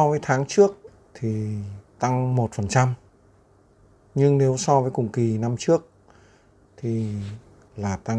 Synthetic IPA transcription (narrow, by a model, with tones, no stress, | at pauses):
ɔ˧vəː˨˦jt̪ʰaː˨˦ŋt͡ɕɨ˦˥ək̚ | t̪ʰi˨˩t̪a˧ŋmo˨˩t̚fə˨˩nt͡ɕa˧m | ɲɨ˧ŋne˨˦wsɔ˧vəː˨˦jkʊ˨˩ŋ͡mki˨˩na˧mt͡ɕɨ˦˥ək̚ | t̪ʰi˨˩ | laː˨˩t̪a˧